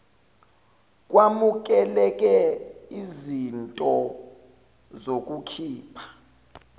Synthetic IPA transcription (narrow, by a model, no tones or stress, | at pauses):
k̬ʼwamuk̬ʼɛlɛk̬ʼɛizintʼɔ | zok̬ʼukʰiːpʰḁ